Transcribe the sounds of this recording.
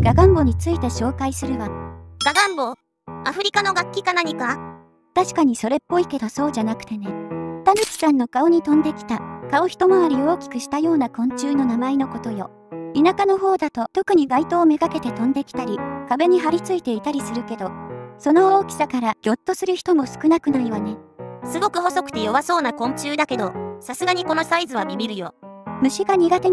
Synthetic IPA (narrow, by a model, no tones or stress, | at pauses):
ɡ̥aɡãmbo̞ɲ̟it͡sɨit̪e̞ɕo̞ːkaisɨɾɯ̟βaɡ̥aɡãmbo | aɸɯ̟ɾʲikano̞ɡakʲːikanaɲ̟ika | t̪aɕi̥kaɲ̟iso̞ɾe̞pːo̞ike̞d̪o̞so̞ːʑanakɯ̟̥t̪e̞ne̞t̪anit͡ɕʲi̥sãnːo̞kao̞ɲ̟it̪õ̞nd̪e̞kʲi̥t̪akao̞çi̥t̪o̞maβaɾʲio̞ːkʲi̥kɯ̟ɕi̥t̪ajo̞ːnakõ̞ɲ̟t͡ɕɨːno̞namaino̞ko̞t̪o̞jo̞ | inakano̞ɦo̞ːd̪at̪o̞t̪o̞kɯ̟ɲ̟iɡait̪o̞ːme̞ɡake̞t̪e̞t̪õ̞nd̪e̞kʲi̥t̪aɾʲikabe̞ɲ̟iɦaɾʲit͡sɨit̪e̞it̪aɾʲisɨɾɯ̟ke̞d̪o̞so̞no̞oːkʲi̥sakaɾaɡ̥ʲo̞t̪ːo̞sɨɾɯ̟çi̥t̪o̞mo̞sɨ̥kɯ̟nakɯ̟naiβane̞sɨɡo̞kɯ̟ɦo̞so̞kɯ̟̥t̪e̞jo̞βaso̞ːnakõ̞ɲ̟t͡ɕɨːd̪ake̞d̪osasɨɡaɲ̟iko̞no̞saizɨβamʲimʲiɾɯ̟jo̞̰mɯ̟ɕiɡaɲ̟iɡat̪e